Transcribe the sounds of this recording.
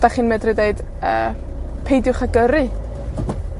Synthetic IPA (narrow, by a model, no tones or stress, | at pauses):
d̥aχiːnmɛdrɨdeɨd̥ | ə̰ː | pʰejdjʊχaɡəɾɨ